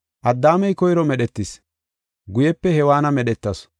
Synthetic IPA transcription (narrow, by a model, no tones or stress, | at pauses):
ʔɐd̪ːaːmɛjkɔjɾɔmɛɗɛt̪ːɪs | ɡʊjɛpːɛhɛwaːnɐmɛɗɛt̪ːɐs